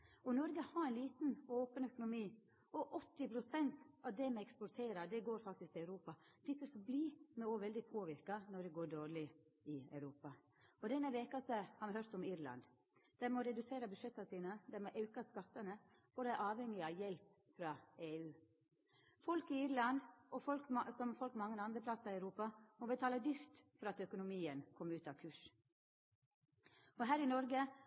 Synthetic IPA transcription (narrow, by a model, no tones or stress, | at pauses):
ɔnɔɾɡəhɑɾæɪnliːt̪n̩oːpənœkʊnʊmiː | ɔʔɔt̪ːɪpʰɾʊsɛnt̪ɑʋd̪ɛmɛɛkspɔɾt̪ʰeːɾɑd̪ɛɡoːɾfɑk̚t̪ɪskt̪ʰɪɑʉɾuːpɑd̪̥ɪt̪ːəsɔblimɛoːʋɛld̪ɪpʰoːʋɪɾkɑnɔd̪ɛɡoːɖoːɾɭɪɪɑ̰ʉɾuːpɑ | ɔd̪ɛnːəʋeːkɑsəhɑːɾʋɪhœɾt̪ɔmɪɾlɑ̰nd̪ | d̪̥ɛmɔɾɛd̪ʉseːɾəbʉd̪ʂɛt̪ːɑsiːnəd̪æɾmɔʔɑʉkɑskɑt̪ːənə | fɔd̪æʔɑːʋhɛŋɪɑʋjɛlp | fɾɑːeːʉː | fɔlkɪiːɾlɑnd̪ɔfɔlksɔmfɔlkmɑŋːənɑnd̪ɾəplɑsɑɾɪɑʉɾuːpɑmɔbət̪ʰɑːləd̪ʏft̪fɔɾɑt̪œkʊnʊmiːənkʰɔmːʉːt̪ɑʋkʰʉːʂ | ɔɦæːɾɪnɔɾɡə